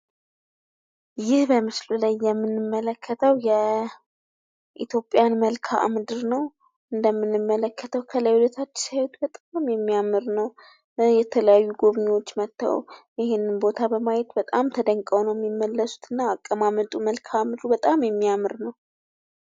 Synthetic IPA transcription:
jɪhbəmɨslulajːɛmːɨnɨmːələkʰːət̪ʰəwjɛ | ʔḭt̪ʰjo̞pʼːijanməlkʰaʔa̰mɨd̪ɨɾnəw | ʔɨnd̪əmːɨnːɨmːələkːət̪ʰəwkʰələjulət̪ʰat͡ʃːɪsajt̪bət̪ʼamjɛmːiamɨɾnəw | jɛt̪ʰələjajːuɡoβɲewo̞t͡ʃːmət̪ːə̰w̰jɪhenːɨnbo̞t̪ʰabəmajɛt̪bət̪ʼamt̪ʰəd̪əŋkʼəwnəwjɛmːimːəlːəsu̥t̪ʰɨnːaːkʼːəmamət̪ʼuməlkʰamɨd̪ɨɾubət̪ʼamjɛmːiamɨɾnəw

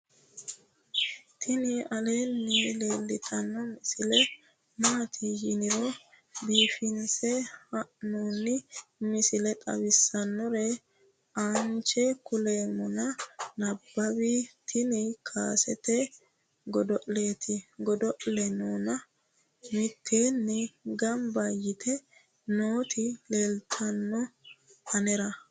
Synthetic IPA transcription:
t̪ʰɪnɪɐle̞ːnːile̞ːlːɪt̪ʰɐnːɔmɪsɪlɛ | naːt̪ʰɪjɪnɪɾɔ | biːfɪnsɛhɐʔnuːnɪmɪsɪlɛt̪ʼɐ̰bɪsːɐnːɔɾɛ | aːnt͡ʃɛkʊle̞ːmɔnɐnɐbːɐbit̪ʰɪnɪkʰaːsɛt̪ɛ | ɡɔd̪ɔʔle̞ːt̪ʰɪɡɔd̪ɔʔlɛnoːnɐ | mɪt̪ʰːeːnːɛɡɐmbɐjɪt̪ʰɛ | noːt̪ʰɪleːlt̪ʰɐnːɔhɐnɛɾɐ

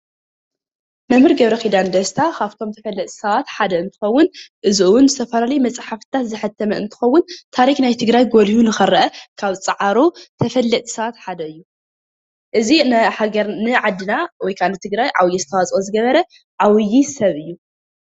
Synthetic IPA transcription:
mɐmhɨɾɡɐβɾɐxid̪and̪ɐst̪ʰakʰaβt̪ʰo̞mt̪ʰɐfɐlːɐt̪ʼsɐβat̪ħad̪ɐɨnt̪ʰɨxɐwːʊnʔɨzɨʔwʊnzɨt̪ʰɐfɐlalɐjmɐt͡sʼħaft̪ʰat̪zɨħɨt̪ʰːɐmɐɨ̰nt̪ʰɨ̥xɐwːʊnt̪ʰaɾixnajt̪ʰɨɡɾajɡolhunɨxɨɾɐʔɐkʰaβt͡sʼɨʕaɾot̪ʰɐfɐlːɐt̪ʼsɐβat̪ħad̪ɐɨjːu | ʔɨzinħaɡɐɾnɨʕad̪ːɨnawɔjkʰanɨt̪ʰɨɡɾajʕa̰wjːɛzɨt̪ʰɐwat͡sʼozɨɡɐβɐɾɐ | ʕawjːisɐβɨjːu

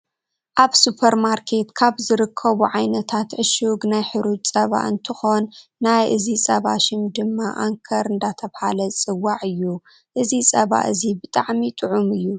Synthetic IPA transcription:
ʔaβsupʰɐɾmaɾkʰe̞t̪kʰaβzɨɾɨkʰːɐβuʕajnɐt̪ʰat̪ʕɨʃuɡnajħɨɾut̪t͡sʼɐβa̰ʔɨnt̪ʰɨxo̞nːajʔɨzisʼɐβa̰ʃɪmd̪ɨmːaʔa̰ŋkʰɐɾɨnd̪at̪ʰɐβhalɐt͡sʼɨwːaʕɨjːu | ʔɨzisʼɐβa̰ʔɨzibɨt̪ʼaʕmit̪ʼɨʕumɨjːu

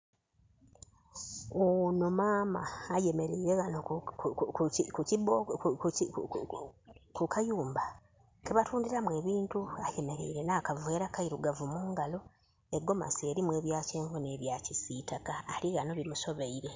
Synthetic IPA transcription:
ono̞maːmaːje̞me̞ɾeiɾe̞ɣano | kucibo | kukajuːmba | keβatʰuːndiɾamwe̞ːβiːntuaje̞me̞ɾḛiɾe̞naːkavueːɾakaiɾuɡavumuːŋɡalo̞ | e̞ɡo̞ma̰seːɾimwe̞ːβjaːce̞ːɱvuneːβjacisitakaːliɣano̞βimuso̞βeiɾe̞

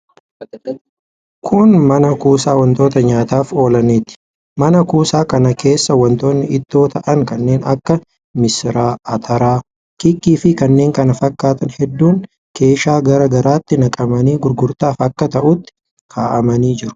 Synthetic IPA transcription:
kʰʊnmɐnɐkuːsaːwɐnt̪o̞ːt̪ɐɲaːt̪aːfo̞ːlɐneːt̪ːɪ̥ | mɐnɐkuːsaːkɐnɐkʰe̞ːsːɐwɐnt̪oːnːɪɪt̪ːo̞ːt̪ʰɐʔɐŋkɐnːe̞ːnɐkːɐ | mɪsɪɾaːɐt̪ʰɐɾaː | kɪkːiːfɪkɐnːe̞ːŋkɐnɐfɐkːaːt̪ɐnhɛd̪ːuːŋ | ke̞ːʃaːɡɐɾɐɡɐɾaːt̪ːɪnɐkʼɐmɐniːɡʊɾɡʊɾt̪aːfɐkːɐt̪ɐʔʊt̪ːɪ̥ | kʰaːʔɐmɐniːd͡ʒɪɾʊ̥

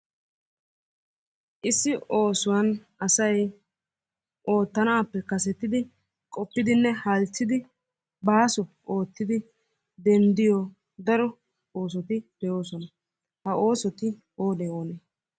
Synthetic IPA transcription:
ʔɪsːɪo̞ːsʊwɐn | ɐsɐj | ʔo̞ːt̪ːɐnaːpːɛkɐsɛt̪ːɪd̪ɪ | kʼɔpːɪd̪ɪnːɛhɐlt͡ʃːɪd̪ɪ | baːsɔʔo̞ːt̪ːɪd̪ɪ | d̪ɛnd̪ɪjo | d̪ɐɾɔ | o̞ːs̬ɔt̪ɪb̥ɛjo̞ːsɔnɐ | hɐʔo̞ːsɔt̪ɪ | oːd̪ɛoːnɛ

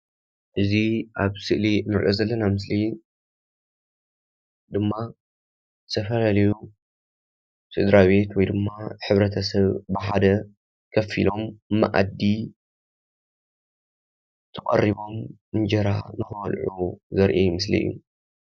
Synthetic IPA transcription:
ʔɨziʔaβsɨʔlinɨɾḭʔo̞zɐlːɐnamɨs̬li | d̪ɨmːa | zɨt̪ʰɐfɐlalɐju | sɨd̪ɾaβe̞t̪wɔjd̪ɨmːaħɨβɾɐt̪ʰɐsɐβbɨħad̪ɐ | kʰɐfḭlo̞mːa̰ʔa̰d̪ːi | t̪ʰɨkʼɐ̰rːiβo̞mɨnd͡ʒɐɾa̰nɨxɐwɐlʕuzɐɾʔejmɨs̬lḭjːṵ

